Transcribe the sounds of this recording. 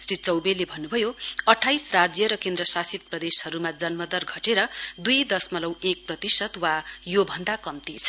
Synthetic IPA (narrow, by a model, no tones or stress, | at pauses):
srit͡sʌwbelːebʱʌnːubʱʌjoʌʈʰːajsrad͡zjʌɾʌkend̪rʌsasit̪̚prʌd̪eshʌɾumad͡zʌnmʌd̪ʌrɡʱʌʈeɾʌd̪ujd̪ʌsmʌlʌwek̚prʌt̪isʌt̪wajobʱʌnd̪akʌmt̪it͡sʰ